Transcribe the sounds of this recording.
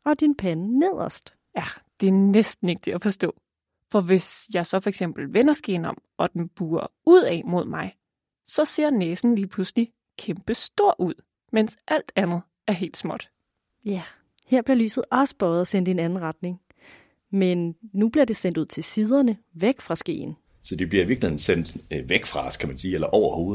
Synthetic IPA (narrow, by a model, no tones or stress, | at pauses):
ɒ̽d̥inpʰænːeð̰ˠɐsd̥ | jæd̥e̝æɐnesd̥n̩e̝ɡ̥ət͡sʰe̝æfɒ̽sd̥ɔ̰̽ː | fɒ̽ʋe̝sjɑ̈ɪsɒ̽fɒ̽eɡ̥sem̰b̥l̩ʋenɐsɡ̥e̝ːnɒ̽mʔɒ̽d̥enb̥uːɐuð̞̰ˠɛ̰mo̝ð̞̰ˠmɑ̈ɪ | sɒ̽se̝ɐ̰neːsn̩liːpʰlusəli | kʰemb̥əsd̥o̝ɐ̰ʔuð̞̰ˠ | mensʔæl̰d̥ænð̩ˠ | æɐɦe̝̰ːld̥smɒ̽d̥ | jæ | heɐ̰b̥liɐly̰ːsð̩ˠɒ̽sə̥b̥ɒːð̩ˠɒsen̰d̥e̝nænn̩ʁɑ̈d̥ne̝ŋ | menːub̥liɐd̥e̝send̥uð̞̰ˠt͡sʰe̝siːð̞ˠɐnə | ʋeɡ̥fʁɑ̈sɡ̥e̝̰ːn | sɒd̥ebliɐiʋiɐ̥lihe̝n̩sen̰d̥ʋeɡ̥fʁɑ̈skʰæmænsiːelɐʔɒʊɐho̝ːð̩ˠ